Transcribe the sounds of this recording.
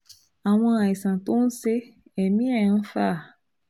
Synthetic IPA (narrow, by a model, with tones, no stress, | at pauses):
a˨w̃ɔ̃˧a˨i˨sã˨to˦n̩˦se˦ | ɛ˨mĩ˦ɛ̃˦˨˦fa˦˨